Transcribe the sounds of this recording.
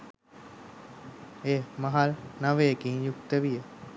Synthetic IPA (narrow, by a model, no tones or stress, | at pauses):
eːmaɦalnaʋejəkinjukt̪əʋijə